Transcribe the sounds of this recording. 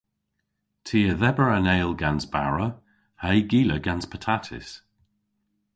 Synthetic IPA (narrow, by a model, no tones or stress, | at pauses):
tʰiːəðɛbəɹaneːlˠɡanzba̰ɹə | hajɡiːləɡanspʰətʰatʰɪ̰s